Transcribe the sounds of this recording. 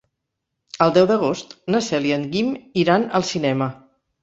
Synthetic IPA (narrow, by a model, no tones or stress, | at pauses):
əlˠd̪ɛwd̪əɣ̞ost̪nəsɛliəŋɡimiɾanəlˠsinɛmə